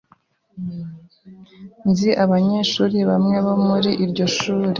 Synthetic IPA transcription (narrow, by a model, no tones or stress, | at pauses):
nziʔaβaɲe̞ːʃuːɾiβamŋe̞βo̞muɾiʔiɾɟo̞ʃuːɾe